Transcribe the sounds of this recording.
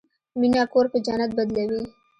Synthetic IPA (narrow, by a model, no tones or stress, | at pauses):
minaːkoːɾkod͡ʒaːnɐt̪̚bɐd̪lewi